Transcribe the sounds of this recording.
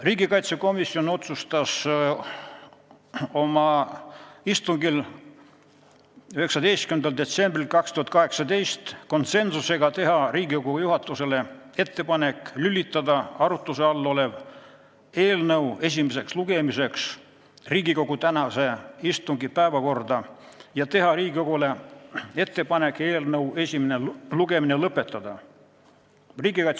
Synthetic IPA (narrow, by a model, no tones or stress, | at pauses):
riːɡikɑjt̪se̞ko̞misio̞no̞t̪sust̪ɑs | o̞mɑ | ist̪uŋɡil | yhe̞ksɑd̪e̞jst̪kyend̪ɑld̪e̞t̪se̞mbrilkɑkst̪uhɑt̪kɑɦe̞ksɑd̪e̞jst̪ko̞nt̪se̞nsuse̞ɡɑt̪e̞ɦɑɾiːɡikoɡ̥uujuɦɑt̪ːˑuse̞le̞ | e̞t̪ːe̞pɑne̞kˑlylʲːit̪ˑːɑd̪ɑɑɾut̪ːˑuseɑlːo̞le̞v | e̞ːlnɤwe̞s̬ʲimese̞ksluɡ̥e̞mise̞ks | riːɡiko̞ɡ̥ut̪ænɑse̞ist̪uŋɡipæevɑko̞rd̪ɑ | jɑt̪e̞ɦɑɾiːɡioɡ̥ule̞e̞t̪ːe̞pɑne̞kːˑe̞ːlnɤwe̞sʲimeneluɡe̞minelɤpːˑe̞t̪ːˑɑd̪ɑ | riːɡikɑt̪